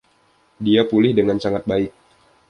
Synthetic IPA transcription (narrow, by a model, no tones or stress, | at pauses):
diapulɪhdəŋansaŋat̪̚baɪk̚